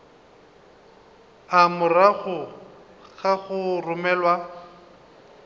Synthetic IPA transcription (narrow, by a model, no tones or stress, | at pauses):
amʊraɣʊ | ɣaɣʊrʊmɛːlwa